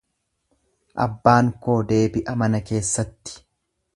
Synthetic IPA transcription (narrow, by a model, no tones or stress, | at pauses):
ʔɐ̰bːaːŋko̞ːd̪e̞ːbɪʔɐmɐnɐke̞ːsːɐt̪ːɪ̥